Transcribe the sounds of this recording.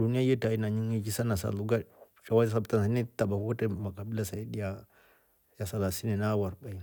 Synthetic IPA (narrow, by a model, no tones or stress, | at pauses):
dunijajetainaɲiŋed͡ʒisanasa̰luɡa | t͡ʃawasabtansanitabakukatemakabilasajidija | jasalasinenawaɾbai